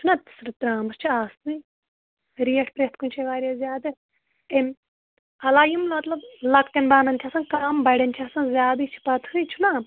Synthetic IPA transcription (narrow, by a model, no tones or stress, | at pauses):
t͡ʃʰunat̪i̥sɾɨt̪ɾaːmɐst͡ʃʰiaːst̪ni | ɾijɐʈʰpɾet̪kunʲt͡ʃʰeʋaːɾʲjazʲjaːd̪ɨ | em | ɐlaːjumlmɐt̪lɐblɐk̚t̪ɐnbaːnɐnt̪ʲʰɐsɐnkaːmbɐɽʲɐnt͡ʃ̪ʲʰiɐsɐnzʲjaːbit͡ʃʰi̥pɐt̪ʰhɨjt͡ʃʰuna